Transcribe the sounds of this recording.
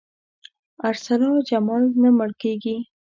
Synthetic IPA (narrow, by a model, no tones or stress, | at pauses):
aɾsalɑd͡ʒamɑlnaməɽkeɡi